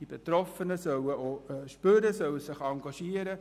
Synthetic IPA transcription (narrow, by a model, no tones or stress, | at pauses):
ibet̪ɾɔfənəsœwəoʃpøɾəsœwəsɪχɑŋɡɑʃiəɾə